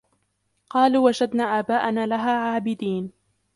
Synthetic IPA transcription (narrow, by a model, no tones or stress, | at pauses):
qɑːluːwad͡ʒad̪naːʔaːbaːʔanaːlaɦaːʕaːbɪd̪iːn